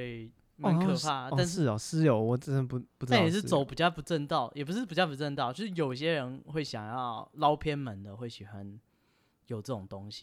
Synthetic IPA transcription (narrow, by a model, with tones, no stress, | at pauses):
we˥˩ɪ | mə˧˥ŋkʰɤ˥˧pʰa˥˧t̪a˥˧nʂ̩˥˩ɔ˨˦sɹ̩˥jo˨˧˦wɔ˨˩t͡sə˥ə˧˦pu˧pu˥˩˧a˥˨jɛ˨˩ʂ̬ɻ̩˥t͡so˨˦ʊpu˨˩t͡ɕja˥˩pu˧˥ʈ͡ʂə˥˧nt̪ɑ˥˩ʊjʔɛ˨˩p̬u˧ʂ̬ɻ̩˥˩pu˨˩t͡ɕja˥˩pu˧˩t͡sə˥˧nt̪ɑ˥˨ʊt͡ɕjo˥˧ʂɻ̩˥˩jo˨ʊi˧˩ɕjɛ˥ɻə˧˦nxwe˥˩ɪɕjɑ˨˩ŋjɑ˥˩ʊlɑ˦ʊpʰjɛ˥nmə˨˦nd̪ə˨we˥˩ɪɕy˨˩xwa˦n | jo˨˩ʊʈ͡ʂɤ˥˩ʈ͡ʂo˨˩ŋt̪o˦ŋɕi̥˨